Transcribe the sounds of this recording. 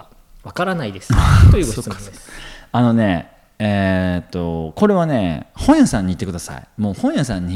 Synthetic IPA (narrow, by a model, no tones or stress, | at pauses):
βakaɾanaid̪est̪ojikoa | ano̞ne̞ | et̪ːo̞ko̞ɾe̞β̞ane̞hõ̞ɰ̃jasãɲ̟ːiːt̪ːekɯ̟d̪asa̰ḭmo̞ːhõ̞ɰ̃jasãɲ̟ːi